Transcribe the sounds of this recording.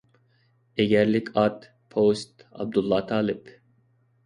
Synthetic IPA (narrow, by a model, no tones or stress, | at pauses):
eɡʲɛɾlɪkʲʰɑt̪ | pʰost̪ɑ̰b̚d̪ulˠːɑt̪ʰɑːlˠɪp